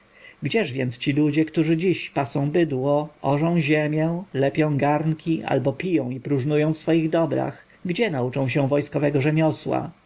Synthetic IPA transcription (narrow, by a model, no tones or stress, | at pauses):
ɡd͡ʑɛʐvʲjɛnt̪st͡ɕilud͡ʑɛkt̪uʐɘd͡ʑiɕpasɔ̃w̃bɘd̪wɔɔʐɔ̃w̃ʑemʲjɛlɛpʲjɔ̃w̃ɡaɾnkʲiʔa̰lbɔpʲijɔ̃w̃ipɾuʐnujɔ̃w̃fsfɔjiɣd̪ɔbɾa̰x | ɡd͡ʑɛnaut͡ʂɔ̃w̃ɕ̬ɛ̃vɔjskɔvɛɡɔʐɛmʲɔswa̰